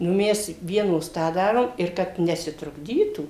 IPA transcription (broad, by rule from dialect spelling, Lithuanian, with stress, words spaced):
nʊ ˈmʲɛs ˈʋʲiɛnoːs ˈtɑː ˈdɑːroːm ɪr ˈkɐt nʲɛsʲɪtrʊɡˈdʲiːtuː